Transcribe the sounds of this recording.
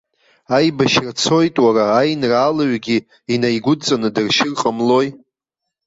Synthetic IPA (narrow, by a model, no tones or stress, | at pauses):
ajbaʃrat͡sʰo̞jtʼwaɾaːjnraːlaɥɡʲi | inajɡʷʊt͡sʼanɨdɨrʃɪrqʼamlo̞j